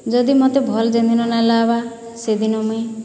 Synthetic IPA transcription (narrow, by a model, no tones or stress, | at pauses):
d͡ʒɔd̪imɔt̪ebʱɔld͡ʒend̪inɔnalaba | sed̪inɔme